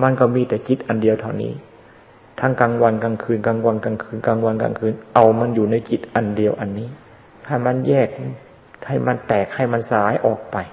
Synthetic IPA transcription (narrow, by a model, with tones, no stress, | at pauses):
ma˧˨nka˧˩miː˧˩t̪ɛː˨˩ki˨˩t̪̚ʔa˧ndi˧əwt̪ʰa˧˩wnḭː˦˥ | t̪ʰaː˧˥ŋkaː˧ŋwa˧nka˧ŋkʰɯː˧nkaː˧ŋwa˧nkaː˧ŋkʰɯː˧nkaː˧ŋwa˧nka̰˧ŋkʰɯː˧nʔa˧wma˧˥˨njuː˨˩na˧˥˩jki˨˩t̪̚ʔa˧ndi˧əwʔa˧nːiː˦˥˩ | kʰa˧˩ma˧˥˨njɛː˥˩k̚ | ha˧˥˩jma˧˥nt̪ɛː˨˩k̚ha˧˥˩jma˧˥˨nsaː˨˦jʔɔː˨˩k̚pa˧j